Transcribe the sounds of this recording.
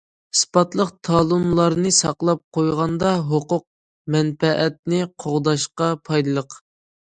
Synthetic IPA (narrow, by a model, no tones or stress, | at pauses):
spɑt̪lˠəqt̪ʰɑːlˠɨmlˠɑɾnɨsɑqlˠɑp̚qʰojʁɑnd̪ɑɦoqʊq̚ | mɛnpɛʔɛt̪̚nɪqʰoʁd̪ɑʃqɑpʰɑjd̪ɨlˠəq